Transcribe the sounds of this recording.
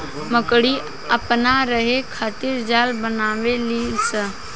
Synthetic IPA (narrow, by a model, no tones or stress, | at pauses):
məkɽi | əpnaɾəɦekʰaːt̪iɾd͡ʒaːlbənaːʋeliːlsə